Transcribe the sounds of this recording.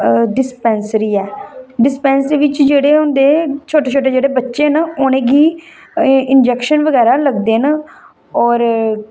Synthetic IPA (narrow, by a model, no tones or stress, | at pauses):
ɖɪspɛːnsɾiːɛːɖɪspɛːnsiʋɪt͡ʃd͡ʒeːɽeːʊnd̪eːt͡ʃʰoːʈeːt͡ʃʰoːʈ̬eːd͡ʒeːɽeːbətːʃeːnəʊnẽːɡiː | ɪnd͡ʒɛːkʃənʋəɡɛːɾaːləɡd̪eːnə | ɔːɾ